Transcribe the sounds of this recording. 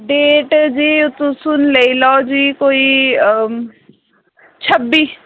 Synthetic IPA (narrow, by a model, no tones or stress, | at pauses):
ɖeːʈd͡ʒiːʊt̪ũsʊnleilɔːd͡ʒiːkoːiː | t͡ʃʰəbːiː